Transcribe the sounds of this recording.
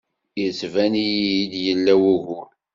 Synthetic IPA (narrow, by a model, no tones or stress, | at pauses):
jəsvænijiid̪jəlːæwuʝʊl